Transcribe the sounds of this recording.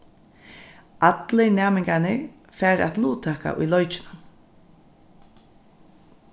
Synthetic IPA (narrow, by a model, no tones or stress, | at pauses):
at̪lɪnɛːmɪŋkanɪ | fɛːɾa̰t̪luːt̪ʰaːka̰ʔʊ̰jlɔjt͡ʃɪna